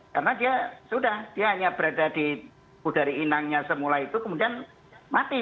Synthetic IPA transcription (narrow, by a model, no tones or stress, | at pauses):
kaɾənadiasudahd̥iaɦaɲab̥əɾadadi | budaɾiːnaŋɲasəmulait̪ukəmudian | mat̪i